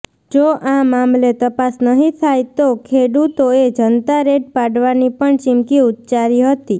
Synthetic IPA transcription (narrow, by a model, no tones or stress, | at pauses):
d͡ʒoʔamamlet̪əpasnəɦĩt̪ʰajt̪okʰeɽut̪oed͡ʒənt̪aɾeɖpaɖʋanipəɳt͡ʃɪmkiut̪t͡ʃaɾiɦət̪i